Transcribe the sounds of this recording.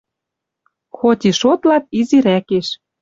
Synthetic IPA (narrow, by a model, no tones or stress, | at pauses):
xot̪ʲiʃot̪lɑt̪̚iziɾækeʃ